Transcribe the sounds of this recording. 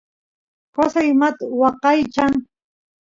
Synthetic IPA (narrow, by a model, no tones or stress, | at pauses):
kasajmat̪awɑqɑjt͡ʃaŋ